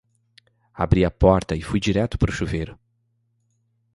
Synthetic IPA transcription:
abɾiɐpɔɾt̪ɐɪfujd͡ʒiɾɛt̪ʊ̥pɾʊʃuvejɾʊ

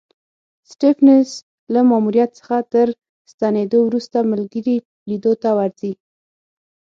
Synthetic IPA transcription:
sʈifnes | lamamuɾjat̪sə̥xat̪əɾ | st̪aned̪owɾust̪aməlɡəɾi | lid̪ot̪awaɾzi

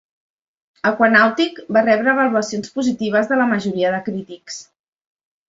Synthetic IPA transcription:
əkwənawt̪ikbarɛβɾəːβəluəsionspuzit̪iβ̞əzðələməʒuɾiəðəkɾit̪iks

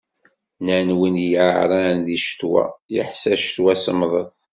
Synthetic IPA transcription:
nənwinjʕʕɾˤɑnðiʃt̪wæ̰jə̰ħsæʃt̪wæsəmðˤəθ

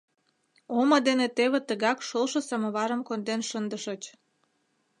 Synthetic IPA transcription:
omə̆d̪enet̪eβĕt̪əɣɑkʃolʃə̆səmə̆βɑɾə̆mkond̪enʃənd̪əʃət͡ɕ

